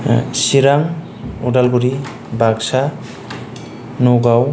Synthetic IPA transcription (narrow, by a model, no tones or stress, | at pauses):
siɾaŋ | ɔdalɡuɾi | baksa | noɡaw